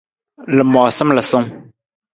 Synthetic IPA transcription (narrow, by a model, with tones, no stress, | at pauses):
lɨ˨mɔ˨sɨ˦mlə˨sə˦m